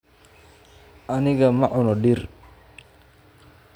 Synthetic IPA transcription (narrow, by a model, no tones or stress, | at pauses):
aniɡamaʔɔnɔɗir